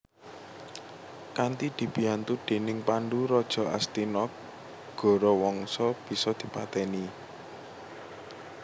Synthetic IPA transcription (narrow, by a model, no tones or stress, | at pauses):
kant̪id̪̥i̤b̥i̤jant̪uɖ̥e̤nɪŋpaɳɖuɾɔd̥ʒ̥ɔ̤ʔast̪inɔk̚ | ɡ̥ɔ̤ɾɔwɔŋsɔb̥i̤sɔd̪̥i̤pat̪ɛni